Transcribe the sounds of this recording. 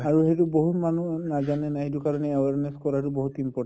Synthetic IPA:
aɹuɦetuboɦutmanunazanɛnaɦetukaɹɔnɛewaɹneskɔɹatuboɦutimpɔ

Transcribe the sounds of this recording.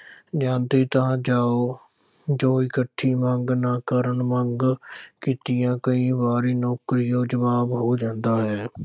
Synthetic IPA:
d͡ʒãːnd̪eːt̪ãːd͡ʒaːoː | d͡ʒoːikəʈʰːiːmə̃ŋɡnaːkəɾəɳməŋɡkiːt̪ɪjãːkəĩːbaːɾiːnɔːkɾɪjõːd͡ʒəβaːbɦoːd͡ʒãːnd̪aːɦɛː

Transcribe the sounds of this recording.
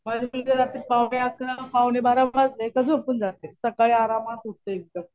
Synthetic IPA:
mad͡ʑʱemid͡ʑed͡zat̪ipawɳeakɾapawnebʱaɾabad͡znekəs̬upənd͡zat̪esəkaɭeaɾamat̪uʈt̪eeɡ̚d̪əm

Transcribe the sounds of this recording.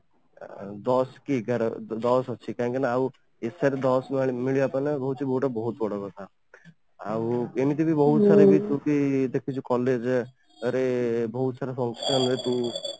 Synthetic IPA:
d̪ɔskiɡəɾd̪ɔsɔt͡ʃʰikaɦĩŋkenaaw | esaɾed̪ɔsmmiliapənebɔɦut̪t͡ʃʰibɔuʈabɔɦut̪bɔɽakɔt̪ʰa | a̰wemit̪ebʱibɔɦut̪saɾebʱit̪ukid̪ekʰit͡ʃʰukɔled͡ʒ | əɾebɔɦut̪saːɾepʰɔ̃ŋkʃənɾet̪u

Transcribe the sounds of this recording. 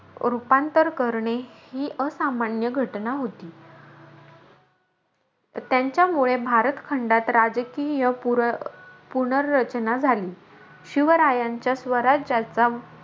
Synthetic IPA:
ɾupant̪əɾkəɾɳehiːʔəsamanjəɡʱəʈnaɦot̪iː | t̪jaɲt͡ɕjamuɭebʱaɾət̪kʰəɳɖat̪ɾad͡zkijə | puɳəɾːət͡ɕnad͡zʱaliː | ɕiʋəɾajãɲt͡ɕjasʋəɾad͡ʑat͡sa

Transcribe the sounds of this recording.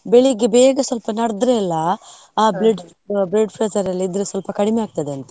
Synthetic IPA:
beɭiɡːebeːɡɐsʋɐlpɐnɐɽd̪ɾɛɛlːɐː | bleɖ | bɾeɖpʰɾezɐɾɐlːiid̪ɾesʋɐlpɐkɐɽimeaːɡ̚t̪ɐd̪e̞ɐnt̪ɐ̥

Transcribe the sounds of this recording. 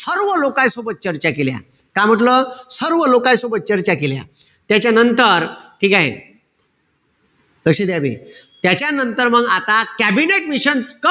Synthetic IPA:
səɾʋəlokãjsobət̪̚t͡ɕəɾt͡ɕakelja̰ | kam̤əʈləsəɾʋəlokãjsobət̪̚t͡ɕəɾt͡ɕakelja̰ | t̪jat͡ɕjanənt̪əɾʈʰiːkaɦḛ | d̪əksid̪jabḭt̪jat͡ɕjanənt̪əɾməɡat̪akæbineʈmiɕənkə

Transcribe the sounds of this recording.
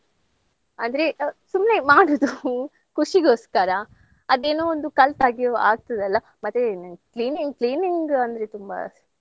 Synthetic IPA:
aːnd̪ɐɾesumnemaːɽud̪u | kʰuʂiɡoːskaɾɐ | ɐd̪eːnoːond̪ukɐlt̪aːɡioa̰ːɡ̚t̪ɐd̪ɐlːɐ | mɐt̪ːekliːniŋɡkliːniŋɡɐnd̪ɐɾet̪umbɐ̰

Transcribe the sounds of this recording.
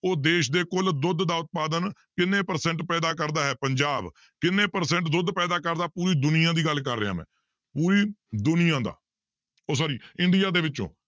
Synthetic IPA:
oːd̪eːʃd̪eːkʊld̪ʊd̪d̪aːʊt̪̚paːd̪ənkɪnːẽːpəɾsɛ̃ɳʈpɛːd̪aːkəɾd̪aːɦɛːpəɲd͡ʒaːb | kɪnːẽːpəɾsɛ̃ɳʈd̪ʊd̪pɛːd̪aːkəɾd̪aːpuːɾiːd̪ʊnɪjãːd̪iːɡəlkəɾːeã̰ːmɛ̰̃ː | puːɾiːd̪ʊnɪjãːd̪a̰ː | oːsaːɾiːɪ̃ɳɖɪjaːd̪eːʋɪtːt͡ʃõ̰ː

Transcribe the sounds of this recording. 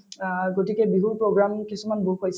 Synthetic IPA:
ɡotikɛbiɦuɹpɹoɡɹamkisumanbuɹɦojs

